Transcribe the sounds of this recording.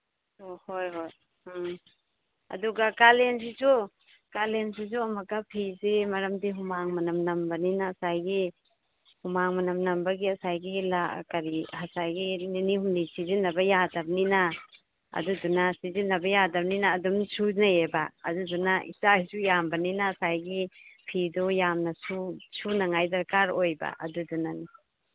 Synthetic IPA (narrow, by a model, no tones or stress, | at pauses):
ohojɦoj | ɐ̰duɡakalens̬izu | kalensizuamakapʰisemaɾamdiɦumaŋmanamnambaninaːsajɡi | humaŋmanamnambaɡiɐsajɡila̰kaɾihasajɡininihunnisizinːɐbɐjadɐb̚nina | ɐ̰dudunɐsizinːɐbɐjadɐb̚ninaːdumsunajeba̰ːdudunaḭsajsujambɐninaːsajɡipʰidɔjamnɐsusunaŋajdɐɾkaɾojba̰ʔɐ̰dudunani